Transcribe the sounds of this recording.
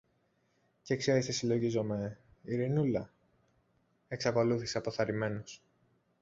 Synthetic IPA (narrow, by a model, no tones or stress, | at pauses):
ce̞kseɾest̪esilo̞ʝizo̞me̞iɾinulɐ | e̞ksɐko̞luθiseɐpoθɐɾime̞nos